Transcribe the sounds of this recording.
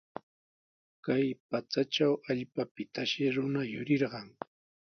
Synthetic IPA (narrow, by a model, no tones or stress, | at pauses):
kajpat͡saʈ͡ʂawaʎpapɪt̪aʃɪɾʊnajʊ̰ɾɪɾɢɑŋ